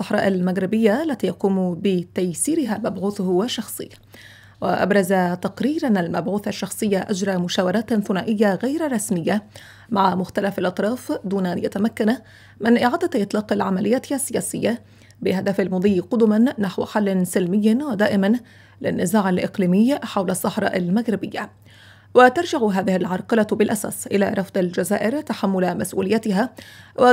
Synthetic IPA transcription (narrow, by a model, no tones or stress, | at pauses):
sˤːɑħɾˤɑ̰ːʔalmaɡɾɪbɪjːaʔalːat̪iːjɑquːmbɪt̪ajsiːɾɪɦaːmabʕuːθʊhwaʃːɑxsˤɨ̰jːa | wɪʔa̰bɾˤɑzat̪ɑqɾiːɾanalmabʕuːθaʃːɑxsˤɨjːaʔad͡ʒɾˤɑmʊʃaːwɑɾˤɑːt̪θʊnaːʔɪjːaɣajɾrˤɑsmɪjːa | maʕamʊxt̪alafalʔɑt̪ˤɾˤɑːfd̪uːnaʔanja̰t̪amakːan | mɪnʔɪʕaːd̪aʔɨt̪ˤlɑːqalʕamalɪjːaːt̪asːɪjaːsɪjːa | bɪɦad̪afalmʊd̪ˤiːqʊd̪ʊmanːaħwħalːɪnsɪlmɪjːwad̪aːʔɪman | lɪ̰nːɪzaːʕalʔɪ̰qliːmɪjħawlɑsˤːɑħɾˤɑ̰ːʔalmaɣɾɪbɪjːa | wat̪ɑɾˤd͡ʒaʕɦaːðɪhɪlʕɑɾˤqɑlabɪlʔasa̰ːsʔɪla̰ɾˤɑfd̪ˤald͡ʒazaːʔɪɾt̪aħamːʊlamasʔṵːlɪjːat̪ɪɦawa